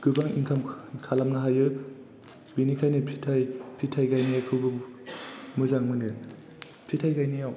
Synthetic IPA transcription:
ɡ̥ɯbaŋḭŋkʰamkʰalamnaɦajɯ | binikʰajnɯpʰitʰajpʰitʰajɡajniakʰɯwbɯ | mɯzaŋmɯnɯ | pʰitʰajkajnijaw

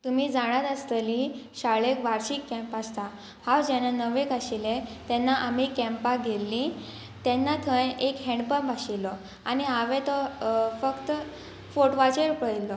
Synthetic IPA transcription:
t̪umiːd͡zaɽ̃at̪ast̪əliɕaɭekʋaɾɕikːɛ̃mpast̪a | hawd͡ʑɛnːanəʋekaɕilet̪ɛnːaʔam̤ikɛ̃mpaɡʱelːĩ | t̪ɛnːat̪ʰəjekɦɛ̃ɳɖpəbʱaɕilɔ | añiaʋɛ̃t̪ɔfəkt̪ | foʈʋat͡ɕəɾpəɭilːɔ

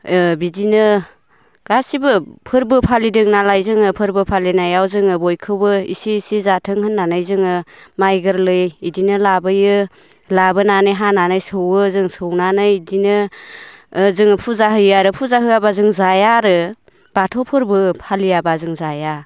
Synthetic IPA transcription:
bidinɯ | ɡ̥asibɯpʰɯɾbɯpʰalidɯŋnalajzɯŋɯpʰɯɾbɯpʰalinajawzɯŋɯbɔjkʰɯwɯḭsiːsizatʰɯŋhɯnːanajzɯŋɯmajɡɯɾlɯjidinɯlabɯjɯ | labɯnanɯjɦananɯjsɯwɯzɯŋsɯwnanɯjdinɯ | zɯŋɯpʰuzaɦɯjaɾɯpʰuzaɦɯjabazɯŋzajaɾɯ | b̥atʰɔwpʰɯɾbɯpʰalijabazɯŋzaja

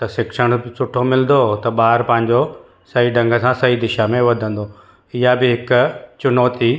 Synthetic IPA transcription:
t̪ɐsɪkʃəɽ̃sʊʈʰomɪlnd̪ot̪ɐɓaːɾpɐ̃ɦɪ̃ɲd͡ʑo | sɐiɖɐ̃ŋɡʱəsãsɐɦid̪ɪʃamẽʋɐd̪ʱə̃n̆d̪o | ɪɦabɪɦɪkʊt͡ɕʊnɔːt̪i

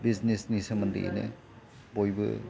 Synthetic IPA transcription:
biznesnisɐmɐndḭʔḛnḛ | bojbɯ̰

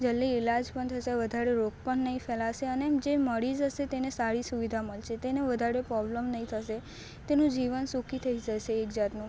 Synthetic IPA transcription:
d͡ʒəlːiːlad͡ʒpəɳt̪ʰəʃeʋəd̪ʱaɾeɾok̚pəɳːəɦĩfɛlaʃeənemd͡ʒeməɽizɦəʃet̪enesaɭisuʋid̪ʱaməlʃet̪eneʋəd̪ʱaɾepɾɔbləmnəɦĩt̪ʰəʃe | t̪enũd͡ʒiʋənsukit̪ʰəid͡ʒəʃeːkd͡ʒat̪nũ

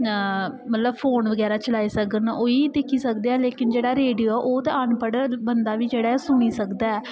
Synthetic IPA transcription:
mət̪ləbpʰoːnʋəɡɛːɾaːt͡ʃəlaːiːsəkənoːiːd̪eːkʰiːsəkd̪eːaːleːkɪnd͡ʒeːɽaːɾeːɖioːɛːʔoːt̪eəɳpəɽbənd̪aːʋiːd͡ʒeːɽaːsʊniːsəkd̪aːɛː

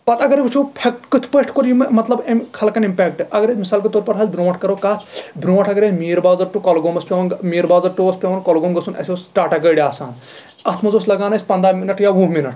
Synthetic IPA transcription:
pɐt̪ɐɡɐɾibɨt͡ʃʰupʰek̚ʈkɨt̪ʰpəʈʰkoɾjimmɐt̪lɐbɐmʲkʰɐlkɐnimpeːk̚ʈʔɐɡɐɾemisaːlkot̪oːɾpɐɾɦɐːlbɾõːʈʰkɐɾoːkaːt̪ʰbɾõːʈʰɐɡɐɾemiːɾbaːzɐɾʈukɐlɡoːmɐspʲeʋnmiːɾbaːzɐʈoːspʲeʋɐnkolɡomɡɐsʰunɐ̰sʲoːsʈaːʈɐɡɐːɽaːsa̰ːn | ɐt̪ʰmɐzoːsʲlɐɡaːnɐsʲpɐnd̪ɾaːminɐʈjaʋuɦminɐʈʰ

